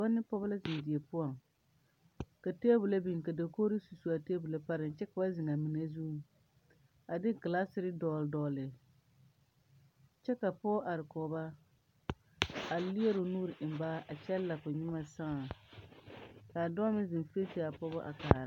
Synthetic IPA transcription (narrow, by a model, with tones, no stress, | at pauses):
a˦nːɪ˦pɔ˦ba˦la˦zɪ˨n˨dɪ˨e˨pʊ˦ɔ˨ŋ | ka˨te˦bʊ˨la˦bi˨ŋ˨ka˨da˨koː˦ɾi˦su˨su˨a˨teː˦bu˨la˦pa˦ɾɪ˨n˨t͡ʃɛ˦ka˨ba˦zɪ˨ŋa˨mi˨na˦zu˦ | a˨dɪ˦ɡɪ˨la˦sɪ˦ɾɪ˦dɔː˨ldɔː˨lɪ˨ | t͡ʃɛ˦ka˨pɔ˦ʔa˨ɾɪ˨kɔː˨ba˦ | a˨li˦e˦ɾo˨nuː˦ɾɪ˨ʔɪ˨m˨baː˦ʔa˨t͡ʃɛ˦lla˨kʊ˨ɲɪ˦ma˦sa˦a˨ | ka˨dɔ˦mɪ˦zɪ˨nfe˦ti˦a˨pɔ˦bʊ˦ʔa̰˨ka˨ɾ